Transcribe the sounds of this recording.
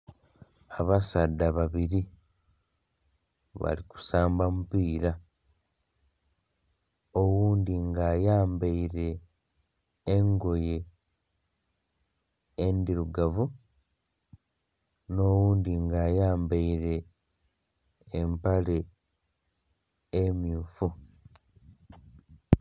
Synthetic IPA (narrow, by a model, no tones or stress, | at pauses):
aβasadːaβaβiɾi | βa̰liku̥saːmbamupiːɾa | owuːnd̪iŋɡaːjaːmbaiɾe̞ | ŋɡo̞je̞ | ndiɾuɡavu | no̞wuːndiŋɡaːjaːmbeiɾe̞ | mpale̞ | mjuːfu